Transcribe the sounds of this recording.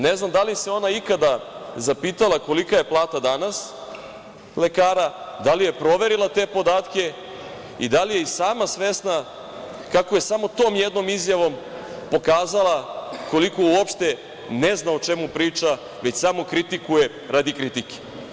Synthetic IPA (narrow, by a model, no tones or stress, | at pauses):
neznamd̪alise̞o̞naikad̪azapiːt̪alˠako̞likaje̞plˠaːt̪ad̪anas | le̞kaːɾad̪alije̞pɾo̞ʋe̞ɾilˠat̪e̞po̞d̪aːt̪ke̞ | ḭd̪alije̞isaːmasʋe̞sna | kako̞je̞samo̞t̪o̞ːmjed̪no̞mizjaʋo̞m | po̞kaːzalˠako̞liko̞uopʃt̪e̞ | neznaot͡ʃe̞mupɾiːt͡ʃa | ʋe̞t͡ɕsamokɾit̪ikuje̞ | ɾad̪ikɾit̪ike̥